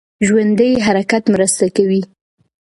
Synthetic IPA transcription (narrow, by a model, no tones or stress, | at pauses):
ʒwand̪əjɦaɾakat̪mɾəst̪akawi